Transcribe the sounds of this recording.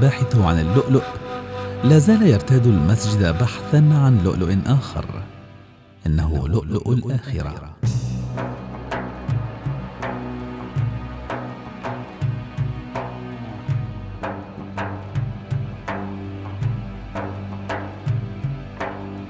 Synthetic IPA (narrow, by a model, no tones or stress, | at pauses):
baːħɪθʊʕa̰nɪlːʊʔlʊʔ | laːzaːlajɑɾˤt̪aːd̪ʊlmasd͡ʒɪd̪abaħθanʕanlʊ̰ʔlʊʔɪnʔaːxɑ̰ɾˤ | ʔɪnːaɦʊ̰lʊʔlʊʔlʔʔaːxɪɾa̰